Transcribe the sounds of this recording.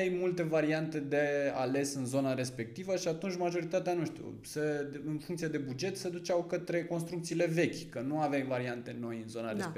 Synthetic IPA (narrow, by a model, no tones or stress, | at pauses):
ejmult̪e̞vaɾiant̪e̞d̪e̞a̰le̞sɨnzo̞naɾe̞spe̞k̚t̪ivəʃiat̪unt͡ʃʲmaʒo̞ɾit̪at̪eanuʃt̪iṵ | seɨnfuŋkt̪sied̪e̞bud͡ʒe̞t̪sed̪ut͡ʃawkət̪ɾe̞ko̞nst̪ɾukt̪sile̞ve̞kʲkənuavajvaɾiant̪e̞no̞jɨnzo̞naɾesp